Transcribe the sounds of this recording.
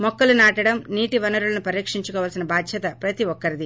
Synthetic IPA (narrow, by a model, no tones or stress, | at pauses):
mɔkːɐlunaːʈɐɽɐmniːʈiʋɐnɐɾulɐnupɐɾiːkʂiɲt͡ʃukɔːʋaːlsinɐbaːd̪ʱjɐt̪ɐpɾɐt̪iʋɔkːɐɾid̪i